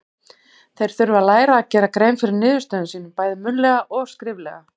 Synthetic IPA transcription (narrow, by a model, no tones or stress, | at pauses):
θejɾ̥θʏɾvaðlaːjɾaːcɛːɾakɾeːjmfɪɾɪɾnɪːðʏst̪œːðʏnsiːnʏmpaːjðɪmʏnlɛɣaʔɔɣskɾɪːvlɛ̰ːɣa